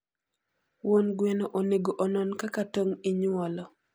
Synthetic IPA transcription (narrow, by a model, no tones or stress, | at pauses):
wonɡwɛnoʔoneɡoʔɔnɔnkakatoŋiɲɔlɔ